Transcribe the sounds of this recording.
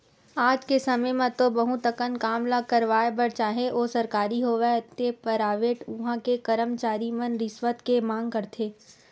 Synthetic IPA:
aːd͡ʒkesɐməjmãt̪obɐɦũt̪ɐkənkaːmlakɐɾʋaːebɐɾt͡ʃaːɦeʔoːsɐɾkaːɾiɦoʋɛt̪epɐɾaːʋeːʈʊɦãkekɐɾəmt͡ʃaːɾimənɾɪsʋət̪kemãːŋɡ̚kɐɾt̪ʰeː

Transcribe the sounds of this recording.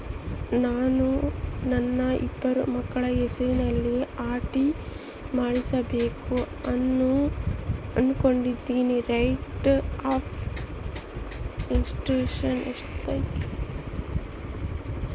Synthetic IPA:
naːnunɐnːɐḭbːɐɾumɐkːɐɭɐesɐinɐlːiaːʈi | maːɽisɐbeːku | ɐnːu | ɐnuko̞ɳɖid̪ːiːniɾɐjʈaːpʰ | insʈɾuːʂɐneʂt̪ɐjt̪

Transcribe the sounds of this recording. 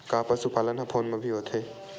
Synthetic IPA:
kaːpəsʊpaːlənɦɐpʰoːnmẽbʱiɦoːt̪ʰeː

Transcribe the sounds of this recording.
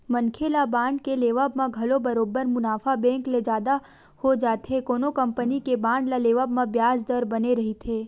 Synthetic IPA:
mənkʰelabãːɳɖkeleːʋabmãɡʱɐlobəɾoːbəɾmʊnaːfʰabɛ̃ŋkled͡ʒaːd̪a | hod͡ʒaːt̪ʰɦekoːnokəmpənikebãːɳɖlaleːʋabmãbjaːd͡ʒd̪əɾbəneɾɐɦit̪ʰeː

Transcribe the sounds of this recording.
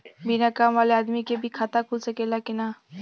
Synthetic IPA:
binakaːmʋaːleaːd̪mikebʱikʰaːt̪akʰulsɐkelakɪna

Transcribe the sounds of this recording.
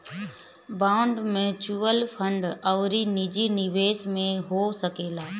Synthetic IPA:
bãːʊɳɖmẽt͡ɕuːʋəlfʰə̃ɳɖɐʋɾinid͡ʑinɪʋeːsmẽɦosɐkeːlaː

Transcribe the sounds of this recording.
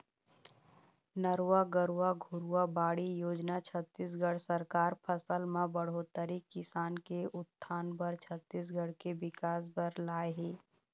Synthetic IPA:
nəɾwaɡəɾuwaɡʱʊɾuabaːɽijoːd͡ʒnat͡ʃʰət̪ːis̬ɡəɽsəɾkaːɾpʰəsəlmãbəɽ̤ot̪əɾikɪsaːnkeʊt̪ʰːaːnbəɾt͡ʃʰət̪ːiːs̬ɡəɽkebɪkaːs̬bəɾlaːeɦiː

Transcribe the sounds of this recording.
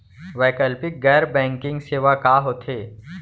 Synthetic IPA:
ʋɛːkəlpɪk̚ɡɛːɾbɛ̃ːŋkɪ̃ŋɡseːʋakaːɦot̪ʰeː

